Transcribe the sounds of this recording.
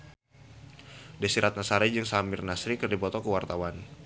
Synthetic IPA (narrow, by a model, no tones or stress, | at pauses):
dasiɾat̪̚nasaɾad͡ʒɨŋsamɪrnasɾikərdipɔt̪ɔkəwart̪awan